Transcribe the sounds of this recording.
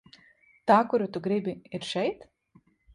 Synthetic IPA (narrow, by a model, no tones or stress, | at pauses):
t̪aːkʊɾʲʊt̪ʊɡɾʲɪbʲɪɪɾʃʲɛjt̪